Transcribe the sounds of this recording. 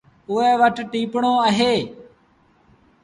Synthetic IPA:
ʊɛːʋəʈʈiːpɳoːəɦeː

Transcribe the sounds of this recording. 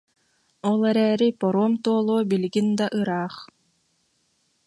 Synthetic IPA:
ɔlˠɛɾɛːɾipɔɾuɔmt̪uɔlˠuːbilɡind̪aʔɯɾaːχ

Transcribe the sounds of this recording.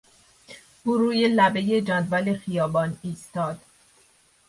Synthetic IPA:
buːɾuːjelæbe̞jed͡ʒæd̪vælexijɒːbɒːniːst̪ɒːd̪̥

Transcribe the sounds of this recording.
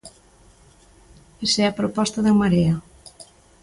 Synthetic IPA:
esɛɐpɾopɔst̪aðemaɾea

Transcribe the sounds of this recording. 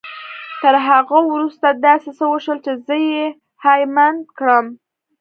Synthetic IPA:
t̪əɾɦaɣawɾust̪ad̪ɑsesəwəʃəlt͡ʃezəje | hajmand̪kɽəm

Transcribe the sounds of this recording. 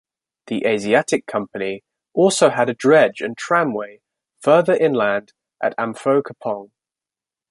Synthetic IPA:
ðiʔeɪziatɪkʰːʌ̃mpəni | ʔɔˑlˠsəʊəɾədɹɛd͡ʒə̰̃ntʰɹ̥ãmweɪ | fɜːðəɹʔɪ̃nlãnd | ʔətãɱfəʊkʰəpʰɒ̃ŋ

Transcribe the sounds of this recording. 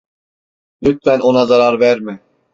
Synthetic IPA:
lyt̪̚fæno̞nazaɾaɾvæɾmɪ

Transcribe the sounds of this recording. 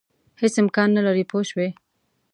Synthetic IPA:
hesɪmkɑnːalaɾipʰoʃwe

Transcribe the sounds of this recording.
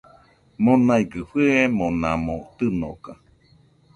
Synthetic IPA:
monaiɡɨɸɨemonãmot̪ɨno̰ka

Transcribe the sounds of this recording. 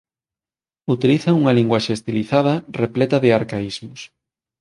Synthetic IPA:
ut̪iliθɐuŋɐliŋɡwaʃeest̪iliθaðɐreplɛt̪ɐðeaɾkaizmʊs

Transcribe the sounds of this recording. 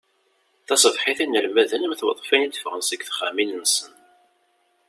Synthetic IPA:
θɑsˤəvħɪθinəlmæðənəmθwɑðˤfænit̪ːə̥fʁənsəɡθχaminənsən

